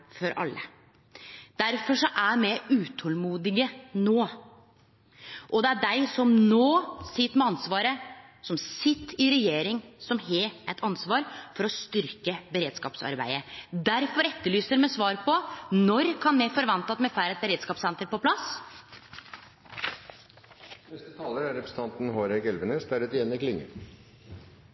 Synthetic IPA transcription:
fɔɾʔɑ̰lːə̰ | d̪̥æɾfɔʂɔʔæɾmɛʉːt̪ʰɔlmuːd̪ɪɡənoː | ʔɔd̪ɛæɖæɪsɔmnoːsɪt̪ːmɛɑnsʋɑːɾəsɔmsɪt̪ːɪɾɛjeːɾɪŋsɔmɦɛɛt̪ʰɑnsʋɑːɾfɔɾɔst̪ʏɾkəbəɾeːd̪skɑ̰ːpsɑ̰ɾbæ̰ɪəd̪æɾfɔɾɛt̪ːəɭyːsəɾmɛsʋɑːɾpʰɔnɔɾkʰɑnmɛfɔɾʋɑnt̪ɑt̪mɛfæɪɾɛt̪̚bəɾeːd̪skɑːpsɛnt̪əɾpɔpʰlɑs | nɛst̪ət̪ʰɑːləɾæɾɛpɾəsət̪ɑnt̪n̩hoːɾɛkɛlʋənəst̪æɾʉt̪ɪjɛnːɪklɪŋːə̰

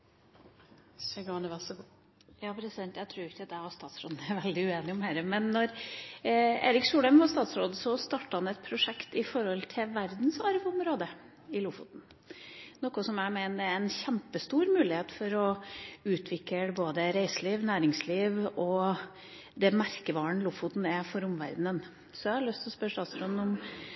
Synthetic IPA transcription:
sɛɡɑnəʋæʁsɔɡ | jɑːpʰɾɛsɪd̪ɛnt̪æɪt̪ʰɾuːɾɪçːəd̪æʋɑst̪ɑːt̪sɾoːd̪n̩æɾʋɛld̪ɪʉeːnɪɔmhæːɾəmɛnːɔɾ | ḛːɾɪksuːɽəmʋɑst̪ɑːt̪sɾoːd̪sɔst̪ɑːʈəhɑnɛt̪̚pʰɾʊʂɛkt̪ɪfɔɾɔlt̪ʰɪʋæɾd̪nsɑɾʋəɔmɾoːd̪ə | ɪluːfṵːt̪n̩ | nɔkːʊsɔmæmæɪnəd̪ɛæɾɛnçɛmpəst̪uːɾmʉːlɪheːt̪fɔɾɔʉːt̪ʰʋɪkːəboːd̪əɾæɪsəliːʋnæːɾɪŋsliːʋɔ | d̪ɛmæɾkəʋɑːɳlʊfʊt̪n̩ɛfɔɾʊmʋæ̰ɾd̪n̩ən | sɔæhɑɭʏst̪ʰlɔspœɾʂst̪ɑːt̪sɾoːd̪n̩ɔm

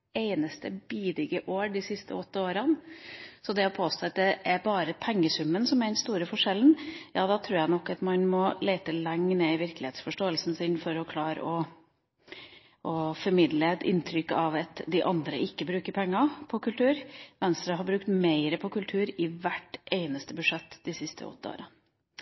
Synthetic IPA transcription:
eɪnəst̪əbiːd̪ɪɡəʔoːɖɪsɪst̪ʰəɔt̪ːəoːɾɑnsɔd̪ɛɔpʰoːst̪oːɑt̪̚d̪ɛʔæɾbɑːɾəpʰɛŋːəsʉmːənsɔmæɖɛnst̪uːɾəfɔʂɛln̩jɑːd̪ɑːt̪ʰɾʉːɾjæɪnɔkːɑt̪mɑnmɔleɪt̪əlɛŋːneːɪʋɪɾklɪheːt̪sfɔʂʈoːəlsn̩sɪnfɔɾɔkʰlɑːɾə̰ɔ | ʔɔfɔɾmɪd̪ləɛt̪ɪ̰nt̪ʰɾʏkːɑʋɑt̪d̪ɪʔɑnd̪ɾəʔɪkːəbɾʉːkəɾpʰɛŋːɑpʰɔkʉlt̪ʰʉːɾʋɛnst̪ɾəɦɑɾbɾʉkt̪meɪɾəpʰɔkʉlt̪ʰʉːɾɪʋæʈʔeɪnəst̪əbʉʂɛt̪ːd̪ɪsɪst̪ʰə̰ɔ̰t̪ːəo̰ːɾɑn

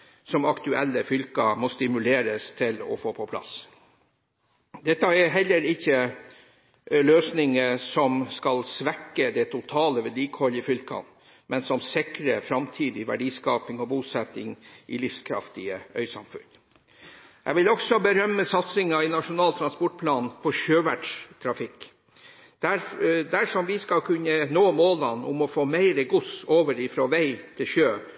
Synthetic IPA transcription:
sɔmɑkt̪ʉɛlːəfʏlkɑmɔst̪ɪmʉleːɾəst̪ʰɪlɔ̰foːpʰɔpʰlɑ̰s | d̪ɛt̪ːɑɛɦɛlːəɾɪçːə | løːsnɪŋəsɔmskɑlsʋɛkːəd̪ɛt̪ʰʊt̪ʰɑːləʋæɖiːkʰɔləfʏlkʰɑ̰n | mɛnsɔmsɪkɾəfɾɑmt̪ʰiːd̪ɪʋæ̰ɖiːskɑːpɪŋɔbuːsɛt̪ɪŋʔɪ̰lɪfskʰɾɑ̰ft̪ɪəœ̰ʏsɑ̰mfʉ̰n | jæ̰ʋɪlɔksɔbəɾœmːəsɑt̪sɪŋɑɪnɑʂʊnɑːlt̪ʰɾɑnspɔʈ̚pʰlɑːnpʰɔɕøːʋæʈʂt̪ʰɾɑfɪkː | d̪̥æɾd̪æʂɔmʋɪskɑlkʰʉnənoːmoːlɑnʔʊ̰mɔfoːmæɪɾəɡʊsoːʋəɾɪfɾɔːʋæɪt̪ʰɪlçøː

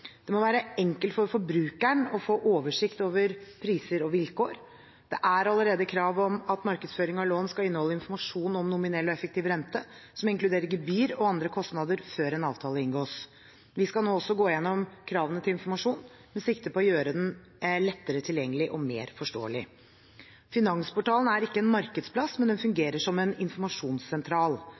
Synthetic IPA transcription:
d̪̥ɛmɔʋæːɾəɛŋkəlt̪fɔɾfɔɾbɾʉːkæɳɔfoːʔoːʋəʂɪkt̪oːʋəɾpʰɾiːsəɾɔʋɪlkoːɾ | d̪̥ɛʔæɾɑləɾeːd̪əkʰɾɑːʋɔmɑt̪mɑɾkəd̪sføːɾɪŋɑloːnskɑɪnəhɔlːəɪnfɔɾmɑʂuːnɔmnʊmɪnɛlːɔɛfəkt̪iːʋɾɛnt̪əsɔmɪŋklʉd̪eːɾəɾɡɛbyːɾɔɑnd̪ɾəkʰɔst̪nɑd̪əɾføːɾɛnɑːʋt̪ʰɑːləɪnɡoːs | ʋɪskɑlnoːɔsɔɡoːɪjɛnːɔmkʰɾɑːʋənət̪ʰɪlɪnfɔɾmɑʂuːn | mɛsɪkt̪əpʰɔɔjøːɾəd̪ɛn | lɛt̪ːəɾət̪ʰɪljɛŋːəlɪʔɔmḛːɾfɔʂʈo̰ːəlɪ | fɪnɑŋspɔʈɑːln̩æɾɪkːəɛnmɑɾkəd̪spʰlɑsmɛnd̪ɛnfʉŋɡeːɾəʂɔmɛnɪnfɔɾmɑʂuːnsːɛnt̪ʰɾɑːl

